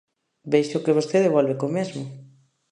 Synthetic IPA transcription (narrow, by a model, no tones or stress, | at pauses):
bejʃʊkeβ̞ost̪eðeβolβekomezmʊ